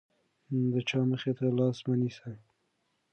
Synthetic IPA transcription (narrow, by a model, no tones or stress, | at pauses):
d̪ət͡ʃɑməxet̪alɑsmanisa